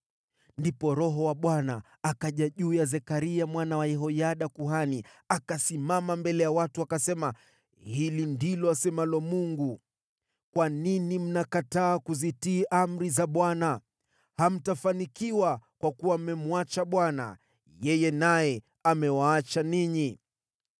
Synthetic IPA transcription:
ndipɔɾɔɦɔwaɓwanaː | kaʄaʄuːjazɛkaɾiamwanawajɛɦɔjaɗakuhaniakasimamambɛlɛjawatuakasɛma | hilindilɔasɛmalɔmuŋɡu | kwaninim̩nakataːkuzitiːʔam̩ɾizaɓwana | ham̩tafanikiwakwakuwamɛmuat͡ʃaɓwana̰ | jɛjɛnajɛ | amɛwaːt͡ʃaniɲi

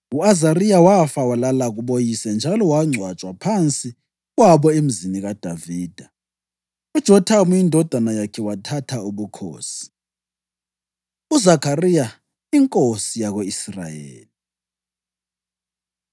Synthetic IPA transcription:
uazarijawafawalalaɣuɓojisɛnd͡ʒʱalɔwaŋ͡ǀʱwat͡ʃʼwapʰant͡sʼi | ɣwaβɔem̩ziniɣad̥ʱaviːd̥ʱa | ud̥ʒ̥ʱɔtʰamujindʱɔd̥ʱanajakʰɛwatʰatʰauβukʰo̰ːsi̥ | uzakʰarija | iŋkʼosijaɣweisra̰jḛːli

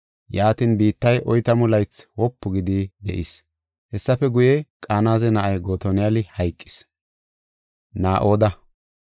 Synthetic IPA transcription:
jaːt̪inbiːt̪ːɐjʔɔjt̪ɐmʊlɐjt͡swɔpːʊɡɪd̪id̪ɛ̰ʔɪs | hɛsːɐfɛɡʊjɛkʼaːnaːzɛnɐʔɐjɡoːt̪ɔnɪjɐlɪhɐjkʼːɪ̥s | naːʔo̞ːd̪ɐ

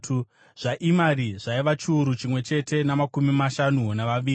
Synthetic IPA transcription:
u | ʐ̥aʔimaɾiʐaiʋat͡ʃiuɾut͡ʃimwe̞t͡ʃe̞te̞namakumimaʃanunaʋaʋiːi

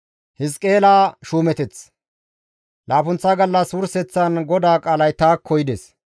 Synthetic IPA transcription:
hɪskʼe̞ːlaːʃuːmɛt̪ɛt͡s | laːfʊnt͡sːaɡɐlːɐsʊɾsɛt͡sːɐnɡɔd̪aːkʼaːlɐjt̪aːkʰːɔjɪd̪ɛs

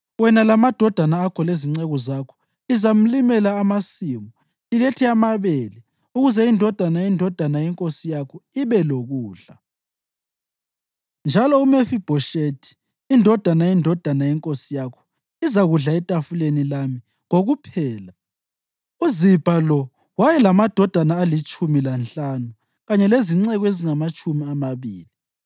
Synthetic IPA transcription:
wɛnalamad̥ʱɔd̥ʱanaːkʰɔleziŋ͡ǀɛɣɔzakʰɔ̥ | lizam̩limɛlaːmasiːmɔ | iletʰiamaβelɛ | uɣuzɛindʱɔd̥ʱanajindʱɔd̥ʱanajɛŋkʼosijakʰɔiβɛloɣuːɮa | nd͡ʒʱalɔumefib̥ʱɔʃetʰi̥ː | ndʱɔd̥ʱanajindʱɔd̥ʱanajɛŋkʼosijakʰɔ̥ | izaɣuɮaɛtʼafulenilami | ŋoɣupʰɛːla | uzib̥ʱalɔ | wajɛlamad̥ʱɔd̥ʱanaːlit͡ʃʼumilanɬʼanu | ɣaɲɛleziŋ͡ǀɛɣɔeziŋamat͡ʃʼumiamaβiːli

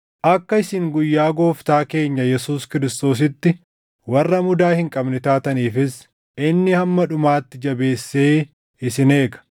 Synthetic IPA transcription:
ʔɐkːɐɪsɪŋɡʊjːaːɡo̞ːft̪aːke̞ːɲːɐjɛsuːskɪɾɪst̪o̞ːs̬ɪt̪ːɪ | wɐrːɐmʊd̪aːhɪŋkʼɐbnɪt̪aːt̪ɐniːfɪs | ʔɪnːɪhɐmːɐᶑʊmaːt̪ːɪd͡ʒɐbe̞ːsːeː | ɪsɪne̞ːɡɐ̥

